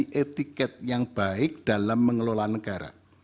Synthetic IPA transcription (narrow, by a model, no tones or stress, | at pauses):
ʔet̪ikɛt̪̚jaŋb̥aɪk̚d̥alamːəŋəlolanəɡ̥aɾa̰